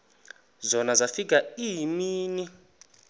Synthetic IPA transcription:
zɔnazafik̬ʼaimiːni

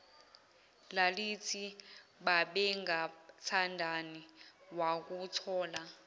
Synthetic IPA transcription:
lalit͡sʰiɓaɓɛŋɡat͡sʰandʱaniwak̬ʼut͡sʰɔːla

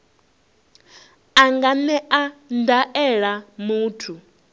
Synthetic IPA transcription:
aŋɡanɛʔandaʔɛɺamuːtʰu

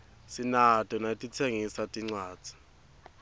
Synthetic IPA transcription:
sinatʼɔnatʼit͡sʰeŋisatʼiŋ͡ǀwaːd̥d͡z̥ʱi̥

